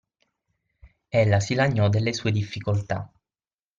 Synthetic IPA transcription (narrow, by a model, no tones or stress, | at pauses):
elːasilaɲːɔd̪elːesuːed̪ifːikolt̪a̰